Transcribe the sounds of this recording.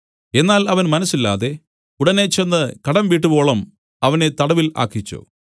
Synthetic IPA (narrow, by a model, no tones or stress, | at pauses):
e̞nːaːlɐʋɐnmɐnɐsːilːa̰ːðe̞ | uɽɐne̞t͡ɕenːɨkɐɽɐmʋiːʈ̬ːubo̞ːɭɐm | ɐʋɐnet̪ɐɽɐʋila̰ːkːit͡ɕːṵ